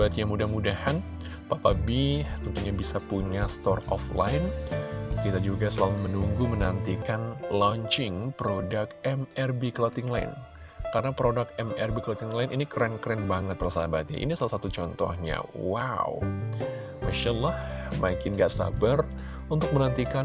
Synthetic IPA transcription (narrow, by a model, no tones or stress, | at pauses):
bat̪ɲamudahmudahan | papabit̪ənt̪uɲabisapuɲast̪ɔrɔ̰fla̰ɪn | kit̪ad͡ʒuɡasəlalumənuŋɡumənant̪ikanlɔɲt͡ʃɪŋpɾodakɛmɛrbiklot̪ɪŋlaɪ̰n | karənapɾodakɛmɛrbiklot̪ɪŋlaɪnʔinikɾɛnkɾɛnbaŋət̪̚bərsabat̪̚ɲa̰ʔḭnisalasat̪ut͡ʃɔnt̪ɔ̰hɲa̰waw | maʃalːɑhmakɪnɡaʔsa̰bər | unt̪ʊk̚mənant̪ikan